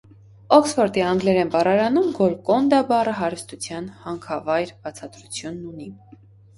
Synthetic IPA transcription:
ɔksfɔɾt̪iɑŋɡlɛɾɛnpɑɾɑɾɑnumɡɔlkɔnd̪ɑbɑrəɦɑɾust̪ut͡sʰjɑnhɑŋkʰɑvɑjɾb̥ɑt͡sʰɑd̪ɾut͡sʰjunːuni

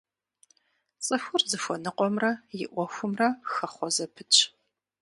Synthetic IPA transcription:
t͡sʼɨxʷʊrzɨfʷɔnɨqʷʼɔmrɐjɪ̰ʔʷɔxʷʊmrɐxɐχʷɔzɐpʰɨt͡ʃʰʼ

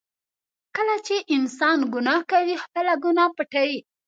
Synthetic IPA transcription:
kəlat͡ʃeʔɪnsɑnɡʊnɑkawixpəlaɡunɑpəʈawi

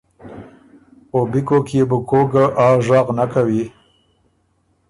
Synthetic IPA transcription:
obikokjebʊkoɡaʔɑːʒɑqnakawi

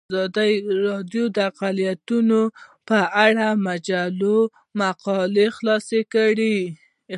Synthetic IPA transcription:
ɑd̪əjɾɑd̪jod̪əaqalijat̪unopəʔaɽamad͡ʒalo | maqɑlexlɑsekəɽi

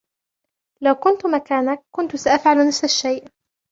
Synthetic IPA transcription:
lawkʊnt̪makaːnak̚ːʊnt̪ʊsaʔafʕalnafsaʃːajʔ

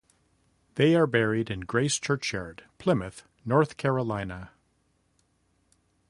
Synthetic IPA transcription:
ðeɪə˞bɛɹiɾɨ̃nɡɹeɪst͡ʃʰɜ˞t͡ʃjɑ̰ɹd̥pʰl̥ɪ̃mɨθ | nɔɹθkʰɛɹəlãɪ̃nə

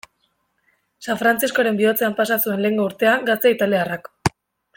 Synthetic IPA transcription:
saɱfɾant͡sisko̞ɾe̞mbiot͡se̞ampasasue̞nle̞ŋɡo̞uɾt̪e̞aŋɡast̪e̞it̪aliarak

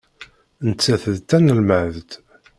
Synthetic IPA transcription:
nət͡sːæθəðt̪ːænːəlməʕðt̪

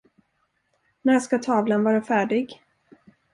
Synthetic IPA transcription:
næjaskat̪ʰɑːvlanvɑːɾafæːɖɪɡ

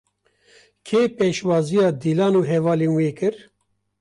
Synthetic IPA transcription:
kʰeːpeːʃwɑːzijɑːd̪ilɑːnuːɦɛvɑːleːnweːkɨɾ

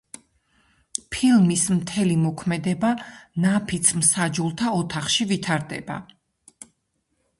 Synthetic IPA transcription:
pʰilˠmismt̪ʰɛlimɔkʰmɛd̪ɛbanapʰit̪sʰmsad͡ʒulˠt̪ʰaɔt̪ʰaχʃivit̪ʰaɾd̪ɛ̰ba̰

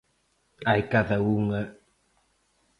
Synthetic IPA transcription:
ajkaðauŋə

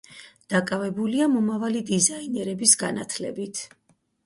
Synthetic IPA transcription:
d̪̥akʼavɛbuliamɔmavalid̪izainɛɾɛbisɡanat̪ʰlɛ̰bit̪ʰ

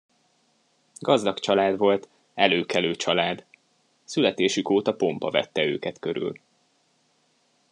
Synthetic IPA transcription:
ɡɒzd̪ɒkt͡ʃɒlaːd̪ʋo̞lt̪ | ɛløːkɛløːt͡ʃɒlaːd̪ | sylɛt̪eːʃykoːt̪ɒpo̞mpɒvɛ̰t̪ːɛø̰ːkɛt̪kø̞ɾy̰l

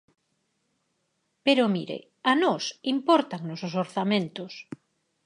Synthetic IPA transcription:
peɾomḭɾḛ | anɔsimpɔɾt̪aŋnososoɾθamẽnt̪ʊs

